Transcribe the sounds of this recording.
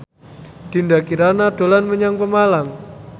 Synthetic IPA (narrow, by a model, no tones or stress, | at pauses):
d̪̥i̤ndakiɾanad̪̥o̤lanməɲaŋpəmalam